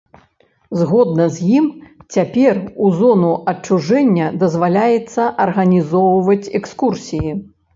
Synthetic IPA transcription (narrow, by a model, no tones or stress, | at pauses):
zɣɔd̪nɐzʲjimt͡sʲapʲɛruzɔnuʔɐt͡ʂːuʐɛnʲːɐd̪ɐzvalʲajɛt̪sːɐʔɐrɣɐnʲizɔwvɐt͡sʲɛkskursʲiji